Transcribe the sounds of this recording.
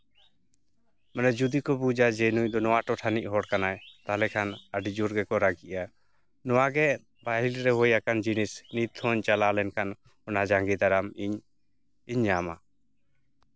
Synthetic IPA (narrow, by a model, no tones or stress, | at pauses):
mɛnɛd͡ʒud̪ikɔbud͡ʒad͡ʒenujd̪ɔnɔwaʈɔʈʰaniʔ̚ɦɔɽkanajt̪aɦlɛkʰanaɖid͡ʒuɾɡɛkɔɾaɡiʔa | nɔwaɡɛ | baɦilɾɛɦojakand͡ʒinisnit̪ʰhɔɲt͡ʃalalɛnkʰan | ɔnad͡ʒaŋɡɛd̪aɾamiɲ | iɲːama̰